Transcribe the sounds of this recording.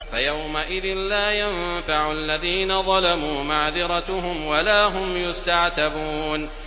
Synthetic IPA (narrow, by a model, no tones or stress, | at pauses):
fajawmaʔɪðɪnlaːjanfaʕʊʔalːaðiːnaðˤɑlamuːmaʕðɪɾˤɑt̪ʊɦʊmwalaːɦʊmjʊst̪aʕt̪abuːn